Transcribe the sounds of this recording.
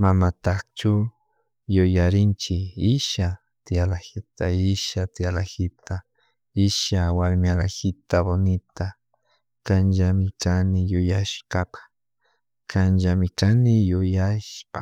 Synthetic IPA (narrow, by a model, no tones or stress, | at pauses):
mamat̪akt͡ʃʊ | jʊjaɾɪnt͡ʃɪɪʃa | t̪ɪalahɪt̪aɪʃat̪ɪjalaxɪt̪ʰa | ɪʃawaɾmalaxɪt̪abonɪt̪a | kanʒamɪkanɪjʊjaʃkapḁ | kʰanʒamɪkanɪjʊjaʃpa̰